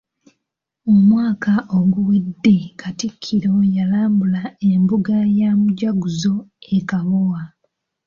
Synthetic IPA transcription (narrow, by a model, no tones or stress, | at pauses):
omwaːkaʔoɡuwedːe̞katikʰːiɾo̞jalaːmbulae̞mbuɡajamuɟaɡuzo̞ekaβowa